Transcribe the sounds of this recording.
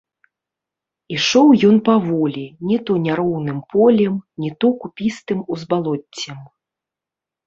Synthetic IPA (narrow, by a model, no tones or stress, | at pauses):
iʂɔwjɔnpavɔlʲinʲɛt̪ɔnʲaɾɔwnɨmpʰɔlʲɛmnʲit̪ɔkupʲist̪ɨmuzbalˠɔt͡sʲːɛm